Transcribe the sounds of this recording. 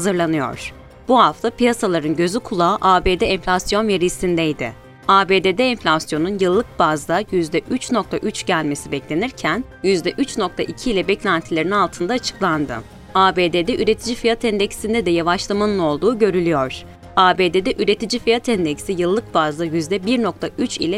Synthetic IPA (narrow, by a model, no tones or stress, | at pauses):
hazɯɾlˠanɯjo̞̰ɾ̥ | b̥uɦaft̪ʰapijasalˠaɾɯnɟø̞zykʰulˠaːʔaːbe̞ːd̪ɛɛɱflʲasjo̞nveɾisind̪ɛjd̪ɪ̰ | aːbe̞ːd̪eːd̪ɛɛɱflʲasjo̞nunjɯlˠːɯk̚bazd̪ajyzd̪ɛʔyt͡ʃno̞k̚t̪ʰaʔyt͡ʃɟælʲme̞sibɛclʲe̞niɾcʰæn | jyzd̪ɛʔyt͡ʃno̞kt̪ʰaʔicʰiːlʲɛbɛclʲænt̪ʰilʲe̞ɾininalˠt̪ʰɯnd̪aːt͡ʃʰɯ̥klˠand̪ɯ̰ | aːbe̞ːd̪eːd̪ɛʔyɾe̞t̪ʰid͡ʒifijat̪ʰɛnd̪ɛcsind̪ɛd̪ɛjavaʃlˠamanɯno̞lˠd̪uːɟø̞ɾylʲyjoɾ̥ | aːbe̞ːd̪ed̪ɛʔyɾe̞t̪ʰid͡ʒifijat̪ʰɛnd̪ɛcsijɯlˠːɯk̚bazd̪ajyzd̪ɛbiɾno̞k̚t̪ʰayt͡ʃḭlʲɛ